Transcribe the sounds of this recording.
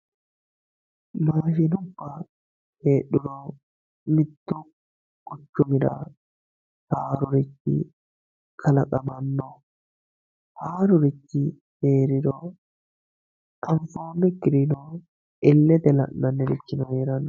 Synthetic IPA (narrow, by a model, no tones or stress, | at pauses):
maːʃɪnʊbːɐ | eːɗʊɾɔ | mɪt̪ːʊ | kʊt͡ʃːʊmɪɾɐ̰ | haːɾʊɾɪt͡ʃːɪ̰ | kʰɐlɐkʼɐmɐnːɔ | haːɾʊɾɪt͡ʃːɪ | heːɾɪɾɔ | tɐɱfoːnːɛɡɪɾɪnɔ | ʔɪlːɛt̪ɛlɐ̰ʔnːɐnːɛɾɪt͡ʃːɪnɔheːɾɐnːɔ